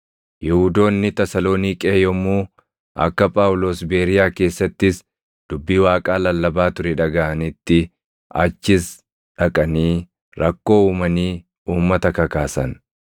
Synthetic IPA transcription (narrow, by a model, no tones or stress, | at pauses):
jɛhʊd̪o̞ːnːɪt̪ɛsɐloːniːkʼeːjɔmuː | ʔɐ̰kːɐpʼaːwʊlo̞ːsbe̞ːɾɪjaːke̞ːsːɐt̪ːɪs | d̪̥ʊbːiːwaːkʼaːlɐlːɐbaːt̪ʊɾɛᶑɐɡɐʔɐnɪt̪ːɪ | ɐ̰t͡ʃːɪs | ᶑɐkʼɐniː | ɾʔɐkːo̞ːuːmɐniː | uːmːɐt̪ɐkɐkaːsɐn